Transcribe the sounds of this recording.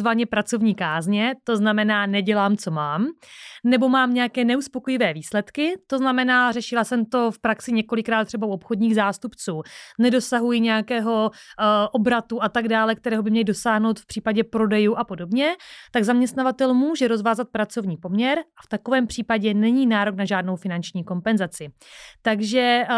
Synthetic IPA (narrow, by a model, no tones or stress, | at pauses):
vaɲɛpɾat͡so̞vɲiːkaːzɲɛt̪o̞znamɛnaːnɛɟɛlaːmt͡so̞maːmnɛbo̞maːmɲɛakɛːnɛuspo̞kojɪvɛːviːslɛt̪kɪt̪o̞znamɛnaːrɛʃɪlasɛmt̪o̞fpɾaksɪɲɛko̞lɪkɾaːt̪ːr̥ɛbauopxo̞dɲiːɣzaːst̪upt͡suːnɛdo̞saɦujɪɲɛjakɛːɦo̞ʔo̞bɾat̪uʔat̪aɡdaːlɛkt̪ɛɾɛːɦo̞bɪmɲɛlɪdo̞saːɦno̞wt̪fpr̥iːpaɟɛpɾo̞dɛjuːʔapo̞do̞bɲɛt̪aɡzamɲɛst̪navat̪ɛlmuːʒɛɾo̞zvaːzat̪̚pɾat͡so̞vɲiːpo̞mɲɛɾʔaft̪ako̞vɛːmpr̝̥iːpaɟɛnɛɲiːnaːɾo̞knaʒaːdno̞wfɪnant͡ʃɲiːko̞mpɛnzat͡sɪt̪aɡʒɛ